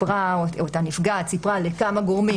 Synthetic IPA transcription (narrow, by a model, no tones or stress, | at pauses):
ʁaoot̪anifɡat͡sipʁalekamaɡoʁmi